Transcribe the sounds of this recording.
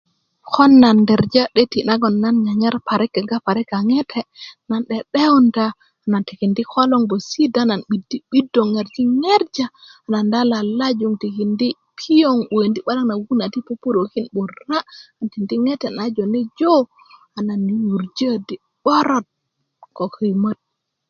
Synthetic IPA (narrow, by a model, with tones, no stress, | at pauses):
ko˦nːa˨nde˨ɾd͡ʒa˦ɗe˦ti˨na˦ɡo˨nːa˦nɲa˨ɲe˦ɾpa˨ɾi˦kːe˨ɡa˦pa˨ɾi˦ka˨ŋe˦tʰe˨na˨nɗe˨ɗe˦u˦ndaː˨ | na˨nti˨ki˨ndi˦ko˦lo˦ŋbo˨si˦da˦na˨nɓi˨di˦ɓi˦do˨ŋe˨ɾd͡ʒi˦ŋe˦ɾd͡ʒaː˨na˨nda˦la˨la˦d͡ʒu˨ŋti˨ki˨ndi˦ | pʰi˦jo˦ŋɓo˨e˨ndi˦ɓa˦la˦kna˨ɡu˦na˨ti˦po˦pu˦ɾo˨ki˦nɓu˨ɾa˦a˨nti˨ndi˦ŋe˦te˨na˨˦d͡ʒo˨ni˦d͡ʒo˦ | a˨na˨nːi˨wu˨ɾd͡ʒə˦˨di˨ | ɓ̥ɔ˦ɾo˦t̚ | ko˨kʰə˨jmə˦t̚